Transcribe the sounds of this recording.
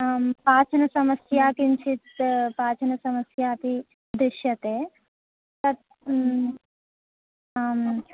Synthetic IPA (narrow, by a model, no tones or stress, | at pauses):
paːt͡ʃʰɐnɐsɐmɐsjaːkint͡ʃʰit̪paːt͡ʃʰɐnɐsɐmɐsjaːt̪i | d̪ɾɪʃjɐt̪eː | t̪ɐt̪̚